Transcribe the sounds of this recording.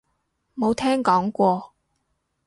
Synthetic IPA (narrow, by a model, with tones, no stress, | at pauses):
mo˨˧wt̪ʰɛː˥ŋkɔː˨˥ŋkʷɔː˧